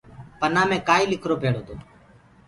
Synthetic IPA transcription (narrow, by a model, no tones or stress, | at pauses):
pənãːmẽːkaːiːlɪkʰɾoːpeːɽoːt̪o̰ː